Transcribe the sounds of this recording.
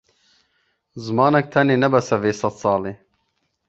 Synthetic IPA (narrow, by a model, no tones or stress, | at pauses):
zɨmɑːnɛk̚t̪ʰɐneːnɛbɐsɛveːsɐt̪sɑːleː